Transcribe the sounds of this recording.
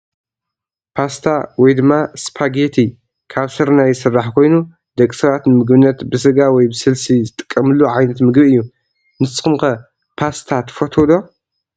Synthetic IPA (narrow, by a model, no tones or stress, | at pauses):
pʰast̪ʰawɔjd̪ɨmːaspʰaɡet̪ʰi | kʰaβsɨɾnajːsɨrːaħkʰo̞jnu | d̪ɐkʼːi̥sɐβat̪nɨmɨɡbɨnːɐt̪bɨsɨɡawɔjbɨsɨlsizɨt̪ʼɨ̥kʼːɐmɨlːuʕajnɐt̪mɨɡbɨjːu | nɨsʼɨ̥xɨmkɐ | pʰast̪ʰat̪ʰɨ̥fot̪ʰod̪o